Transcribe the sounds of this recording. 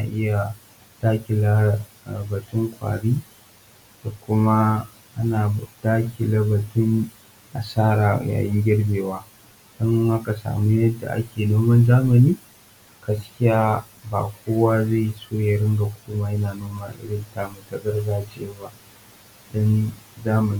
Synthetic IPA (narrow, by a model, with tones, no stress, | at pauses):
na˨ʔɪ˦ja˨ | d̥aː˦kʲɪ˨la˦˨ | bɐ˨tʊ˦ŋkʷa̰ː˨ɽiː˦ | d̥a˨kʷʊ˦ma˦ | ʔa˦naː˨d̥aː˦kʲɪ˨lɐ˦bɐ˨tʊ˦n | ʔa̰˨saː˦ɾaː˨ja̰ː˨jɪ˦ŋɡʲɪ˦ɽbʲeː˨waː˦ | d̥ɔ˦ŋʔa˦ka˨sa̰ː˨mu˦jɐ˦dːa̰˨ʔa̰˦kʲeː˨noː˦mɐ˦nzaː˦mɐ˨niː˦ | ɡ̥ɐ˦skʲɪ˦jaː˦ | ba̰ː˨kʷoː˦waː˦za˦˨soː˦jɐ˨ɽɪ˦ŋɡa˨hʊ˦kʷʊ˦maː˦jɐ˦naː˨noː˦ma˦˨lɐ̰˨ɽɪ˦ntaː˨mu˨tɐ˦ɡɐ˦rzaː˦t͡ʃɪ˨a˦ba˦ʔ | d̥ɔ˦nzaː˦mɐ˨ni˦